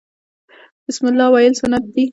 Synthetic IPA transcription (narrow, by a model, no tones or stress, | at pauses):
b̥ɪsmɪlːɑwɑɪlsʊnat̪̚d̪i